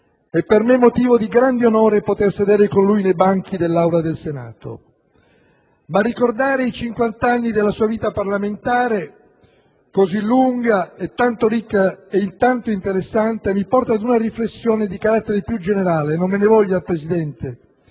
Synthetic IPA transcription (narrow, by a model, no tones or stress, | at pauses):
ɛpːermemːot̪iːvod̪iɡɾand̪eonoːɾepot̪ersed̪ɛːɾekonlujnejbaŋk̟id̪elːawlad̪elsena̰ːt̪o̰ | marːikord̪aːɾeit͡ʃiŋkwant̪anːid̪elːasuːaviːt̪aparlament̪aːɾe | kozilːuŋɡaet̪ːant̪oɾikːaeint̪ant̪oint̪eɾesːant̪emipɔrt̪aːd̪unaɾiflesːjoːned̪ikaɾat̪ːeɾepjud͡ʒeneɾaːlenomːenevɔʎːalpɾezid̪ɛnt̪e